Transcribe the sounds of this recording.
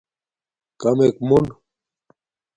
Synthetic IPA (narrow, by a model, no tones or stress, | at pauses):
kɐmekmun